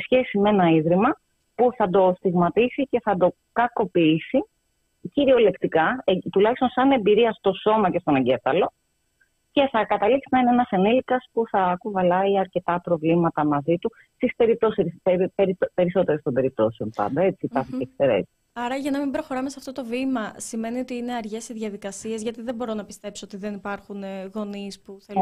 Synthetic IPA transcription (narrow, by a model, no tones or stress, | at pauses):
sçe̞sime̞nɐiðɾimɐ | puθɐd̪o̞st̪iɣmɐt̪isice̞θɐd̪o̞ | kɐko̞piisi | ciɾio̞le̞kt̪ikɐt̪ulɐçist̪o̞nsɐne̞mbiɾiɐst̪o̞so̞mɐce̞st̪o̞neɲɟe̞fɐlo̞ | ce̞θɐkɐt̪ɐliksinɐineenɐsenilikɐspuθɐkuvɐlɐiɐɾce̞t̪ɐpɾo̞vlimɐt̪ɐmɐzit̪u | st̪ispe̞ɾip̚t̪o̞siseeɾipe̞ɾiso̞t̪e̞ɾest̪o̞mbe̞ɾip̚t̪o̞seo̞npɐ̰nd̪ɐe̞t͡siːpɐɾθiekseɾḛs | ɐɾɐʝɐnɐmimbɾo̞xo̞ɾɐmesɐft̪o̞t̪o̞vimɐsime̞nio̞t̪iine̞ɐɾʝe̞siðʝɐðikɐsie̞zʝɐt̪iðembo̞ɾo̞nɐpist̪e̞psoot̪iðe̞nipɐɾxunɣo̞nispuθe